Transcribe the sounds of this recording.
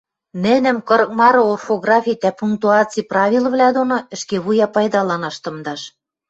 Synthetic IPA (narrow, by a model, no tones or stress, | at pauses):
nɘ̆nɘ̆mkɤ̆ɾɤk̚mɑɾɤ̆orfoɣrɑfʲit̪æpuŋk̚t̪uɑt͡siprɑβʲilˠvlʲæd̪onoɘ̆ʃkeβujɑpɑjd̪ɑlɑnɑʃt̪ɤ̆md̪ɑʃ